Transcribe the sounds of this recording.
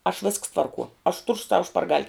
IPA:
ɐʃ ʋʲɪsks ˈtʋɐrkuɔ ɐʃ tʊr sɐʊ ʃpɐrˈɡɐlʲ

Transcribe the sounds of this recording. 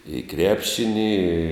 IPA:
ɪ ˈkrʲæːpʲʃʲɪnʲɪ ɪ

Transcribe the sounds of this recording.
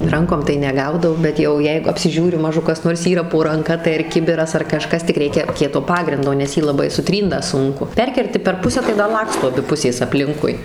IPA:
ˈrɐŋkoːm tɐɪ nʲɛˈɡɐʊdɐʊ bʲɛt ˈjɛʊ ˈjɛɪɡʊ ɐpʲsʲɪˈʒʲuːrʲʊ ˈmɑːʒʊ kɐs ˈnoːrs ˈiːrɐ poː rɐŋˈkɐ tɐɪ ɪr ˈkʲɪbʲɪrɐs ɐr kɐˈʃkɐs tʲɪk ˈrʲɛɪkʲɛ ˈkʲiɛtoː ˈpɑːɡrʲɪndoː nʲɛs ˈjiː lˠɐˈbɐɪ sʊˈtʲrʲiːnt dɐ ˈsʊŋkʊ ˈpʲɛrʲkʲɛrʲtʲɪ pʲɛr ˈpʊsʲæː tɐɪ dɐ ˈlˠɑːkstoː ɐˈbʲɪ ˈpʊsʲeːs ɐpʲˈlʲɪŋkʊɪ

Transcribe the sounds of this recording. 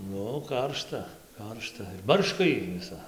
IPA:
ˈnʊ ˈkɐrʃtɐ ˈkɐrʃtɐ ˈbɐrʃkɐ ˈjiː ʋʲɪˈsɐ

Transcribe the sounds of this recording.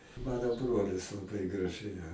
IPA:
ˈmɑːnoː ˈbroːlʲɪs lˠɐˈbɐɪ ɡrɐˈʒʲɛɪ ɐ

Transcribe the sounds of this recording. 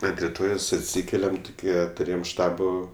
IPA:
ɐnt rʲɪˈtoːjoːs ɐtʲˈsʲiːkʲɛlʲɛm tʊˈkʲiɛ tʊˈrʲeːjɛm ˈʃtɑːboː

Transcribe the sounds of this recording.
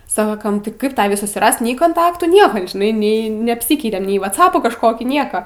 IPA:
ˈsɑːkɐm ˈtʲɪ ˈkɐɪp ˈtɑːʋʲiː sʊsʲɪˈrɐst nʲɛɪ koːnˈtɑːktuː ˈnʲiɛkɐ ʒʲɪˈnɐɪ ˈnʲɛɪ nʲɛɐpʲˈsʲiːkʲɛɪtʲɛm nʲɛɪ ʋɐˈt͡sɑːpuː kɐʃˈkoːkʲiː ˈnʲiɛkɐ

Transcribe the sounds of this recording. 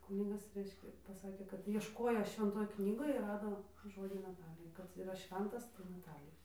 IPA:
ˈkuːnʲɪɡɐs ˈrʲɛɪʃʲkʲɛ pɐˈsɑːkʲeː kɐt iɛʃˈkoːjoː ʃʲʋʲɛnˈtoːj ˈknʲiːɡoːj ɪr ˈrɑːdoː ˈʒoːd͡ʒʲʊ nɐˈtɑːlʲɪjɛ kɐt iːˈrɐ ˈʃʲʋʲɛntɐs tɐɪ nɐˈtɑːlʲɪjɛ

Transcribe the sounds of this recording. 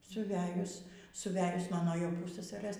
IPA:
sʊˈʋʲæːjʊs sʊˈʋʲæːjʊs ˈmɑːnoː jɛʊ ˈpʊssɐsɐrɘs

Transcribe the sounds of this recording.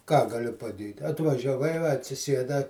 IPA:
kɑː ɡɐˈlʲʊ pɐˈdʲeːtʲ ɐtʋɐʒʲɛˈʋɐɪ ʋɐ ɐtʲsʲɪˈsʲiɛdɐ

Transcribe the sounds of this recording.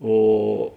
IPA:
ˈoː

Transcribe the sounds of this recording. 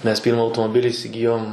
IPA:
mʲɛs ˈpʲiːrmɐ ɐʊtoːmoːˈbʲɪlʲɪ ɪsʲɪˈɡʲɪjoːm

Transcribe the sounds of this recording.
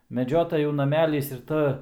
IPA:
mʲɛˈd͡ʒʲoːtɐjuː nɐˈmʲæːlʲiːs ɪr ˈtɐ

